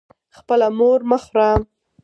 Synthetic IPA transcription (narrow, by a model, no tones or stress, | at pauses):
xpəlamoɾmaxɾam